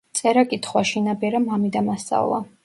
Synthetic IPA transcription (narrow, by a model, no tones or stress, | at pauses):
t̪sʼɛɾakʼit̪ʰχwaʃinabɛɾamamid̪amast̪sʼa̰vlˠa̰